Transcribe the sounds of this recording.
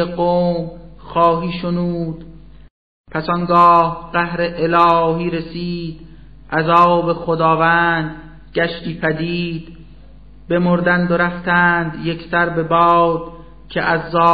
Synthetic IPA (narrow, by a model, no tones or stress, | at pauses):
eqoːmxɒːɦiːʃonuːd̪̥ | pʰæsɒːŋɡɒːhɢæhɾeʔelɒːɦiːɾesiːd̪̥ | ʔæzɒːbe̞xod̪ɒːvænd̪ | ɟæʃt̪iːpʰæd̪iːd̪̥ | be̞moɾd̪ænd̪oɾæft̪ʰænd̪je̞ksæɾbe̞bɒːd̪̥ | cʰeʔæzːɒː